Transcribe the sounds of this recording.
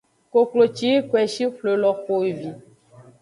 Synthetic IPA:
ko˨klo˨t͡ʃi˦kwɛ˨ʃi˦ɸlo˨lɔ˨xo˨i˨vi˨

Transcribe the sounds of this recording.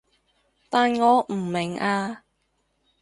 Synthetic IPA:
t̪aː˨nŋɔː˨˧m̩˨˩mɪ˨˩ŋaː˧

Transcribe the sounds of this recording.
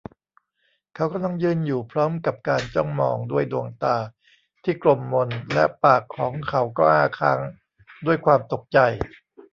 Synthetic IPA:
kʰa˦˥wka˧mla˧ŋjɯː˥˩njuː˨˩pʰɾɔː˦˥mka˨˩p̚kaː˧nt͡ɕɔ˥˩ŋmɔː˧ŋdu˥˩əjdu˧əŋt̪aː˧ | t̪ʰiː˥˩klo˧mːo˧nlɛ̰˦˥ʔpaː˨˩kʰːɔː˩˦ŋkʰa˩˦˥wkɔː˥˩ʔaː˥˩kʰaː˦˥ŋ | du˥˩əjkʰwaː˧mt̪o˨˩k̚t͡ɕa˧j

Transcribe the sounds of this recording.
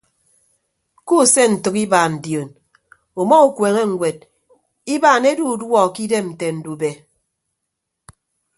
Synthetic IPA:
ku˦˨se˦n̩˨tɨ˨ki˦baː˨n̩˨djo˨n | o˨mɔ˦u˨kwe˨ŋe˦ŋ̩ʷ˨we˨d̚ | i˦baː˨ne˦du˦˨dwɔ˦ki˦de˦mn̩˨te˨n̩˨du˨be˨

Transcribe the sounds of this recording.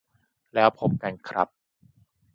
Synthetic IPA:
lɛː˦˥wpʰo˦˥p̚ka˧nkʰɾa˦˥p̚

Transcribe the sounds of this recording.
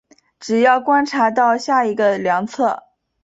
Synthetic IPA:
ʈ͡ʂɻ̩˨˩jɑ˥˩ʊkwa˥nʈ͡ʂʰa˧˥t̪̬ɑ˥˧ʊɕja˥˩i˧˥ɡə˧ljɑ˧˥ŋt͡sʰɤ˥˩

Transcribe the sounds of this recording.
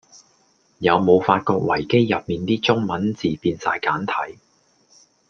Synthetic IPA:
jɐ˨˧wmo˨˧wfaː˧t̚kɔː˧k̚wɐ˨˩jke˥jːɐ˨p̚miː˨nt̪iː˥t͡sʊ˥ŋmɐ˨˥nt͡siː˨piː˧nsa̰ː˧jkaː˨˥nt̪ʰɐ̰˨˥j

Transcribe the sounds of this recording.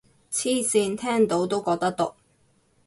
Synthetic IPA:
t͡sʰiː˥siː˧nt̪ʰɛː˥ŋt̪o˨˥wt̪o˥wkɔː˧k̚t̪ɐ˥k̚t̪ʊ˨˥k̚

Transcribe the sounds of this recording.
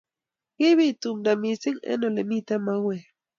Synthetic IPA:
ɣi˦βi˦t̪u˨mda˨mi˨si˦ŋḛ˦no˨le˨mi˦t̪e˦ma˦we˨

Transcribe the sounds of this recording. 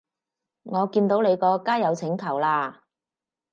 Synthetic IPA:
ŋɔː˨˧kiː˧nt̪o˨˥wle˨˧jkɔː˧kaː˥jɐ˨˧wt͡sʰɪ˨˧˥ŋkʰɐ˨˩wlaː˧

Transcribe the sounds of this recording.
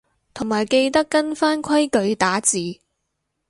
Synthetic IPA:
t̪ʰʊ˨˩ŋmaː˨˩jke˧jt̪ɐ˥kːɐ˥nfaː˥nkʷʰɐ˥jkɵ˨˧ɥt̪aː˨˥t͡siː˨˧

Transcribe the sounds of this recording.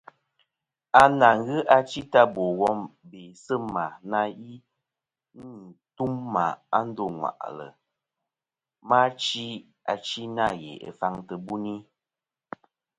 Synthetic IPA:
a˦na˨ŋ˦ɣɨ˦ʔa˦t͡ʃi˦ta˦bo˨ɣɔ˦mbe˨sə˦ma˨na˦i˦ | n˦˨tu˦mːa˨a˦n̩˦do˦˨ŋwa̰˨ʔlə̰˨ | ma˦t͡ʃi˦ | a˨t͡ʃi˦na˦˨jḛ˨ə̰˨fa˦ŋtə˨bu˦ni˦

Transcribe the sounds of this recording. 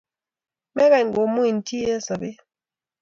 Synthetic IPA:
mɛ˦βɛ˨ŋ˨ɡo˨mu˦i˨n˨tʰi˦ɛ˦sa˨be˦

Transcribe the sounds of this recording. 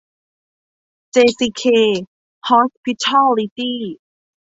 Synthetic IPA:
t͡ɕe˧si˧kʰe˧ | hʰɔ˧˥k̚pʰi˧tʰɔ˥li˧ti˥

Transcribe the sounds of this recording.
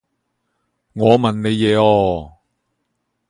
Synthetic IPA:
ŋɔː˨˧mɐ˨nne˨˧jːɛː˨˧ɔː˧

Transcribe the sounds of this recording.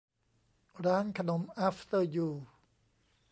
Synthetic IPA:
ɾaː˦˥nkʰa˧no˦˥mʔaː˥fʰt̪ə˧˩juː˧

